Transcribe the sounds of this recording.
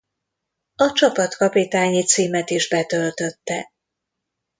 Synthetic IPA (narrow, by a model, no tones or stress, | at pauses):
ɒt͡ʃɒpɒt̪kɒpit̪aːɲit̪siːmɛt̪iʒbɛt̪ø̞lt̪ø̞t̪ːɛ